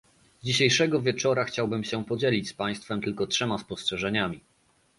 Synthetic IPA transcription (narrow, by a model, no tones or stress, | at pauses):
d͡ʑiɕejʂɛɡɔvʲjɛt͡ʂɔɾaxt͡ɕawbɘmɕɛpɔd͡ʑelʲit͡ɕspaj̃st̪fɛmt̪ɘlkɔtʂɛmaspɔstʂɛʐɛɲamʲi